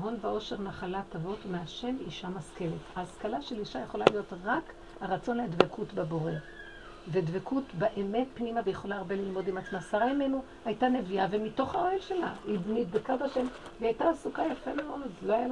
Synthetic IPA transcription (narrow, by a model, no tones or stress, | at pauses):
ɦo̞nveo̞ʃe̞ʁnaχalatavo̞tmeaʃe̞miʃamaske̞letaːskalaʃeliʃajeχo̞lalijo̞tʁak | haʁat͡so̞nledvekʰutbabo̞ʁe̞ | vedvekʰutbeʔeme̞tpnimavejeχo̞laːʁbe̞lilmo̞dimat͡smasaʁaime̞nu | hajtane̞viavemito̞χaohelʃe̞laidmidbekadaʃe̞m | veajtaːsukajafemaonzlo